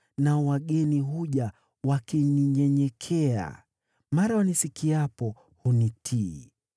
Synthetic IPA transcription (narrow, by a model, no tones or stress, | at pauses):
nawaɠɛniɦuʄa | wakiɲiɲɛɲɛkʰɛa̰ | maɾawanisikiapɔ | hunitʰi